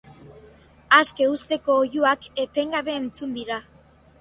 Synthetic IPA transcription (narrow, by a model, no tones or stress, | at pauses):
aske̞ust̪e̞ko̞ːjuake̞t̪e̞ŋɡaβe̞ːnt͡sund̪iɾa